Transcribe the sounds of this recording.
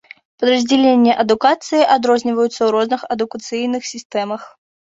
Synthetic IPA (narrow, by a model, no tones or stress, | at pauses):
pɐd̪ɾɐzʲd͡zʲɛlʲenʲːɛʔɐd̪ukat̪sɨjiʔad̪ɾɔzʲnʲivɐjut̪sɐwɾɔznɨxɐd̪ukɐt̪sɨjnɨxsʲist̪ɛmɐx